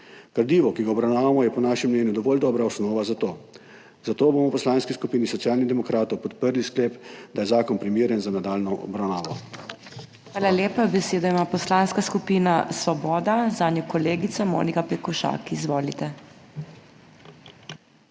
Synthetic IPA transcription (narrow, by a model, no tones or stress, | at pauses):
ɡ̥aɾd̪iːʋɔkiɡaɔbɾawnaːʋamɔjɛpɔnaʃɛmːnɛːnjud̪ɔʋɔːld̪ɔːbɾaɔsnɔːʋazat̪oː | zat̪oːboːmɔpɔslanskiskupiːnisɔt̪sijaːlniɣd̪ɛmɔkɾaːt̪ɔwpɔt̪pəɾliskleːpd̪ajɛzaːkɔnpɾimiːɾjɛnzanad̪aːlnɔɔ̰bɾawnaːʋɔ | xʋaːlaleːpabɛseːd̪ɔimaːpɔslaːnskaskupiːnasʋɔbɔːd̪azaːnjɔkɔleːɡit̪samo̰ːnikapɛkɔʃa̰ːkizʋoːlit̪ɛ